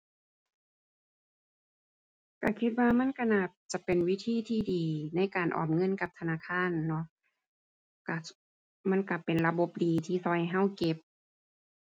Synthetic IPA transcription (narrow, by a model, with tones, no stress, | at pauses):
ka˧˩kʰi˧t̪̚waː˧ma˧˥˨nkʰa˧˨na˧˩p̚t͡ɕa˧˩pe˨nwi˦˥t̪ʰiː˧˥˨t̪ʰiː˧˩diː˨˩na˧˥˨jkaː˨˩nʔɔ̰ː˨˩m̚ŋɤ˧˥˨nka˧˦p̚t̪ʰa˧naː˧˥˨kʰaː˧˥˨nːɔ˧˦˥ | ka˧˩ | ma˧˥˨nka˧˩pe˨nla˧bo˧˦p̚diː˨˩t̪ʰiː˧˩sɔ˧˩jɦa˧˥˨wke˧˦p̚